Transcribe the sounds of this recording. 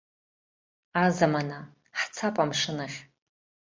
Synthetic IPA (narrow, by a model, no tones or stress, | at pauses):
azamana | ħt͡sʰapʼamʂɨnaχʲ